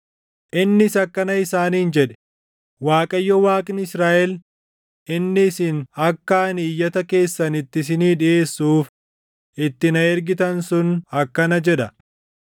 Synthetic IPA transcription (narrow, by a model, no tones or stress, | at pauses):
ʔɪnːɪsɐkːɐnɐɪsaːniːnd͡ʒɛᶑɛ̥ | waːkʼɐjːɔwaːkʼɪnɪsɾaːʔɛl | ɪnːɪːsɪnɐkːaːniːjːɐt̪ɐke̞ːsːɐnɪt̪ːɪs̬ɪniːᶑɪe̞ːsːuːf | ʔɪt̪ːɪnɐɛɾɡɪt̪ɐnsʊnɐkːɐnɐd͡ʒɛᶑɐ